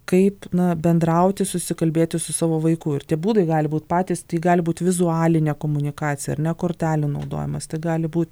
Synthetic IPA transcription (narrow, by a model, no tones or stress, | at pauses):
kɐɪpnɐbʲɛnd̪ɾɐʊt̪ʲɪsʊsʲɪkɐlʲbʲeːt̪ʲɪsʊsɑːʋoːʋɐɪkʊɪrt̪ʲiɛbuːd̪ɐɪɡɑːlʲɪbuːt̪pɑːt̪ʲiːst̪ɐiɡɑːlʲɪbuːt̪ʋʲɪzʊɑːlʲɪnʲɛkoːmʊnʲɪkɑːtt͡sʲɪjɛɐ̰ɾnʲɛkoːɾʲt̪ʲæːlʲɪnɐʊd̪o̰ːjɪmɐst̪ɐɪɡɑːlʲɪbuːt̪ʲ